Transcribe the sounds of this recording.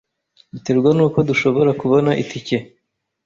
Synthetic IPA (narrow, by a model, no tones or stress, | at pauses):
dute̞ɾɡwanuːko̞duʃo̞βo̞ɾakuβo̞naʔitʰice